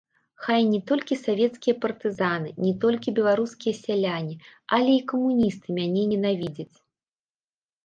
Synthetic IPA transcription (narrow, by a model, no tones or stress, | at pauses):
xajnʲɛt̪ɔlʲkʲisavʲɛt̪skʲijɐpɐrt̪ɨzanɨnʲɛt̪ɔlʲkʲibʲɛlˠaɾuskʲijɐsʲalʲanʲiɐlʲɛikɐmunʲist̪ɨmʲanʲɛnʲɛnavʲid͡zʲɐt͡sʲ